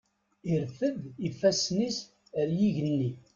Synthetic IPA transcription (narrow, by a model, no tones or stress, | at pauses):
iɾfəðifːæsnis | əɾjiʝənːi